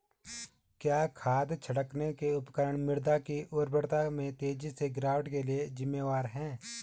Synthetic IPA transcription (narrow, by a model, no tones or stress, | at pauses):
kjaːkʰaːd̪t͡ʃʰəɽəknekeʊpkəɾəɳmɪɽd̪akiʔʊːɾbəɽt̪amẽt̪eːd͡ʒiseɡɾaːʋɖkelied͡ʒɪmːeːʋaːɾɦɛ̃ː